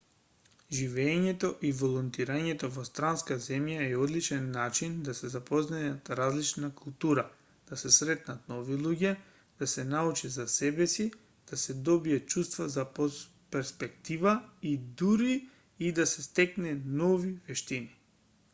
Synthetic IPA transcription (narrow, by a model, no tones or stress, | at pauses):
ʒivɛɲɛt̪ɔʔivolˠɔnt̪iɾaɲɛt̪ɔvɔst̪ɾanskazɛmjaɛɔd̪lit͡ʃɛnːat͡ʃind̪asɛzapɔznajat̪ɾazlit͡ʃnakulˠt̪uɾa | d̪̥asɛsɾɛt̪nat̪nɔvilˠuɟɛ | d̪̥asɛnaut͡ʃɛzasɛbɛsi | d̪̥asɛd̪ɔbiat̚t͡ʃust̪vazapo | pɛɾspɛkt̪ivaid̪uɾiː | d̪asɛst̪ɛknɛnɔvivɛʃt̪ini